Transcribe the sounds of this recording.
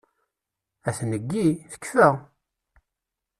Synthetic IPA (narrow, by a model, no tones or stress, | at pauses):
æθnəɡːiθə̥kːfæ